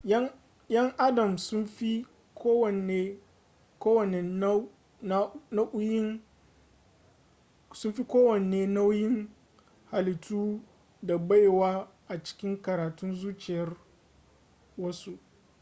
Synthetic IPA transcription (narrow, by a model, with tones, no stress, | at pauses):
jɐ˦ŋʔa˦dɐ˨msʊ˦nɸi˦ | kʰoː˦wɐ˨neː˦ | koː˦wɐ˨ne˨˦ | na˦nɐ˦ʔʊ˦jɪ˦n | sʊ˦nɸi˦kʷoː˦wɐ˨neː˨na˦wjɪ˦ŋ | ha˨lɪ˨tʰuː˦ | da˨ba˦jwaː˦ | ʔa˨t͡ʃɪ̥˦kʲɪ˦ŋkɐ˨ɾaː˨tʊ˦nzuː˦t͡ʃɪ˨jɐ˦r | wɐ˦su˦ʔ